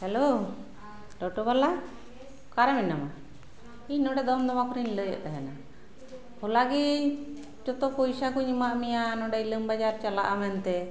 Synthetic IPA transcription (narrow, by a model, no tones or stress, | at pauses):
hɛlo | ɖɔʈɔbala | kaɾamɛnama | iɲnɔɖɛd̪ɔmd̪ɔmakɔɾiɲləjə̰ʔt̪aɦɛna | hɔlaɡi | t͡ʃɔt̪ɔpɔjsakɔɲimaʔmɛjanɔɖɛiləmbad͡ʒaɾt͡ʃalaʔamɛnt̪ɛ